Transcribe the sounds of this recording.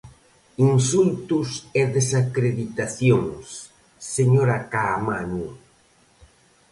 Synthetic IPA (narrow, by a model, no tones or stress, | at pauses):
insult̪ʊseðesakɾeðit̪aθjoŋsː | eɲoɾakamanu